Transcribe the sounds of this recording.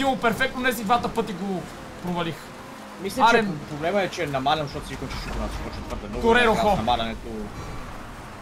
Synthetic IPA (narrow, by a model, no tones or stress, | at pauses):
imˠopɛɾfɛk̚t̪nonɛsid̪vat̪əpɤt̪iɡo | pɾovɐlix | mislʲɛat͡ʃɾɛpɾoblɛməɛt͡ʃɛnɐmalʲɐnʃt̪ɔt̪ʊsikont͡ʃiʃuk̪onasi̥pɔt͡ʃət̪vɤɾd̪ɛnɔd̪oɾɛɾokaxɔnɐmalʲɐnɛt̪o